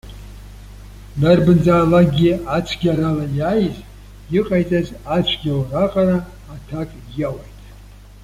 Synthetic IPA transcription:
darbɨnd͡zaːlaɡʲiat͡ʃʷʰɡʲaɾalajajz | jɪqʼajt͡sʼazat͡ʃʷʰɡʲawraqʼaɾaː | tʰakʼ | jawajtʼ

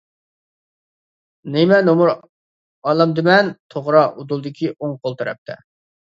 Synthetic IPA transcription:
nɪmɛnomuɾ | ɑːlˠɑmd̪ɪmɛnt̪ʰoʁɾɑʔud̪ulˠd̪ɪkʲʰiʔoŋqʰolˠt̪ʰɨɾɛ̰p̚t̪ʰɛ̰

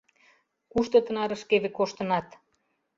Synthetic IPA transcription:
kuʃt̪ɤ̆t̪ənɑɾə̆ʃkeβekoʃt̪ə̆nɑt̪

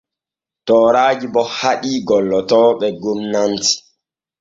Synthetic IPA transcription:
tɔːɾaːd͡ʒibɔhaɗiːɡɔlːɔtɔːɓɛɡomnanti̥

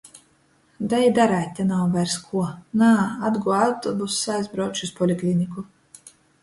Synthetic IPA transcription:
d̪ajd̪aɾaːt̪ʲːanawvajɾskʰuɔnaːad̪ɡuɔawt̪ɔbusːajzbɾawt͡ʃuspɔlʲiklʲinʲiku

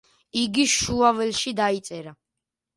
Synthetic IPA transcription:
iɡiʃuavɛlʃid̪ait̪sʼɛɾa

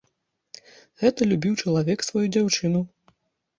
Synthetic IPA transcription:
ɣɛt̪ɐlʲubʲiwt͡ʂɐlˠavʲɛksvajud͡zʲawt͡ʂɨnu

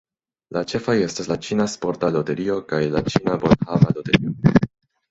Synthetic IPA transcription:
lat͡ʃe̞faje̞staslat͡ʃinaspo̞ɾtalo̞te̞ɾio̞kajlat͡ʃinabonhavalo̞te̞ɾio

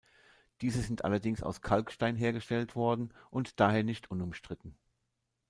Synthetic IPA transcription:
d̥iːzəzɪntʔa̰lɐdɪŋsa̰ʊskʰalkʃtaɪnɦeːɐɡəʃtɛltv̥ɔɐdn̩ʔʊntd̥aːɦeːɐnɪçtʰʔʊnʊmʃtʁ̥ɪtn̩

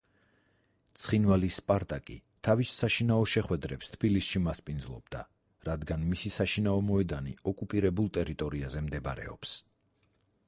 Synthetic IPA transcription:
t̪sʰχinvalispʼaɾt̪ʼakʼḭt̪ʰavisːaʃinaɔʃɛχwɛd̪ɾɛpst̪ʰb̥ilisʃimaspʼind̪zlˠɔ̰b̥̚d̪̥a | ɾad̪ɡanmisisaʃinaɔmɔɛd̪anḭɔkʼupʼiɾɛbulˠt̪ʼɛɾit̪ʼɔɾiazɛmd̪ɛbaɾɛ̰ɔ̰ps

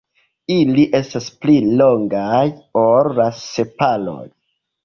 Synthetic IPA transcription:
iliʔe̞stasplilo̞ŋɡajoɾːase̞palo̰j

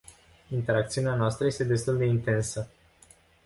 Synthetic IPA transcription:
int̪e̞ɾak̚t̪siuneanoast̪ɾəje̞st̪ed̪e̞st̪uld̪e̞int̪e̞nsə

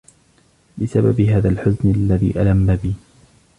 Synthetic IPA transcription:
bɪsababɪɦaːðalħʊznɪlːaðḭːʔalamːabiː

